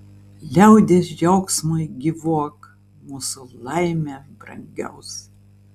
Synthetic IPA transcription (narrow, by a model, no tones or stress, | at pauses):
lʲɛʊd̪ʲesjɛʊksmɐɪɡʲɪʋuɔk | muːsʊlˠɐɪmʲebɾɐ̰ŋʲɡʲɛ̰ʊs